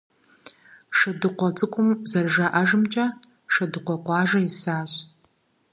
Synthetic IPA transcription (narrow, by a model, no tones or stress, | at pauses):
ʂɐdɨqʷɔt͡sʼɨqʷʼʊmzɐrʒɐʔɐʒɨmt͡ʃʼɐ | ʂɐdɨqʷɔqʷɑːʒɐɪsaːɕʼ